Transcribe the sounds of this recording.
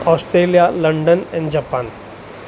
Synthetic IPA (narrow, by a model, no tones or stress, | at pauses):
ɔːsʈɾeːlijalɐ̃ɳɖənɛ̃nd͡ʒapãːn